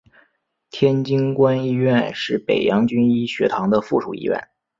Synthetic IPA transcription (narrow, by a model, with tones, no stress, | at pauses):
t̪ʰjɛ˥nt͡ɕi˥ŋkwa˥ni˥ɥɛ˥˩˧nʂɻ̩˥˩pḛ˨˩ɪjɑ˧˥ŋt͡ɕy˥ni˥ɕɥɛ˧˥t̪ʰɑ˧˥ŋd̪ə˧fu˥˩ʈ͡ʂʰṵ˨˩ḭ˥ɥɛ̰˥˩n